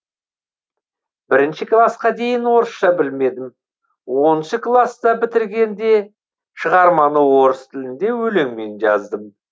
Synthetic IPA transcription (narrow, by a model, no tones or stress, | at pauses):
b̥ɪɾɪnʃɪklˠɑsqɑd̪e̞jɪnwo̞ɾəsʃɑbɪlme̞d̪ɪm | wo̞nnʃəklˠɑsd̪ɑbɪt̪ɪɾɡʲe̞nd̪e̞ | ʃəʁɑɾmɑnəwo̞ɾəst̪ʰɪlɪnd̪e̞wɵleŋme̞nʒɑ̰zd̪əm